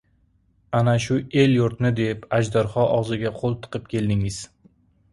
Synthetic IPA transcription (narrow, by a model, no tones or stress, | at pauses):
anaʃʊe̞ljʊɾt̪nɪd̪epad͡ʒd̪aɾχɒʔɒʁzɪɡʲaqʰolˠt̪ʰɨ̥qʰɨp̚kʲʰe̞ld̪ɪŋɪz̥